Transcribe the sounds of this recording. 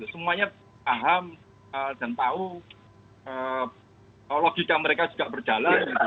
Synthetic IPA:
ɡit̪usəmuaɲa | paɦam | əd̪̥a̤nt̪au | ə | loɡ̥ikaməɾekḁd͡ʒ̥uɡ̥aʔb̥ər̥d͡ʒ̥alanɡit̪u

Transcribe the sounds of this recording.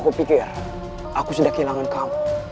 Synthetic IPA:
kopikɛɾ | akusidakilaŋankam

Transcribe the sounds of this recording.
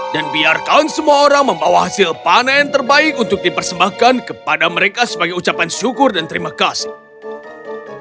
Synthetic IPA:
danbiarkansəmuaoɾaŋməmbawahasɪlpanaant̪ərbaɪk̚unt̪ʊk̚dipərsəmbahkankəpadaməɾekasəbaɡajut͡ʃapanʃukʊrdant̪əɾimakas

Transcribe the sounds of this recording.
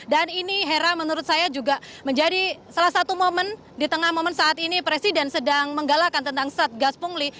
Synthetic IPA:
daniniɦeɾamənuɾʊt̪̚sajad͡ʒuɡaməɲd͡ʒadisalahsat̪umomən | dit̪əŋahmomənsaat̪inipɾesidɛnsədaŋməŋɡalakant̪ənt̪aŋsat̪̚ɡaspuŋli

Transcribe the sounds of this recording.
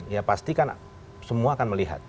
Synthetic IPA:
njapast̪ikan | səmuaːkanməliɦa̰t̪̚

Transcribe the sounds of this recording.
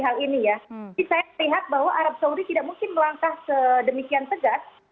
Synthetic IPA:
ɦalinijaisajaəliɦat̪̚baɦwaʔaɾap̚saudit̪idaʔmuŋkɪnməlaŋkahkədəmikiant̪əɡas

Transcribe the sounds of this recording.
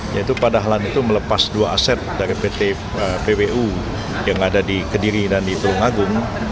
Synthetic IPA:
jait̪upadaɦalanit̪umələpasduaasɛt̪̚daɾipet̪e | əpebeʔu | jaŋadadikəndiɾidandipəlʊŋaɡʊŋ

